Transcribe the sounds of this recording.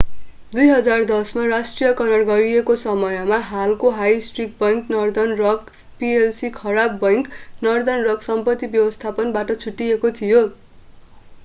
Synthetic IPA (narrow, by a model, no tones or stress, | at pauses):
d̪ujɦʌd͡zard̪ʌsmarasʈrijʌkʌnʌrɡʌɾijekosʌmʌjʌmaɦalkoɦajsʈrik̚bʌjŋknʌrd̪ʌnrʌk | pielsikʰʌɾabːʌjknʌrd̪ʌnrʌksʌmpʌt̪ːibjʌbʌst̪ʰapʌnbaʈʌt͡sʰuʈːiekot̪ʰijo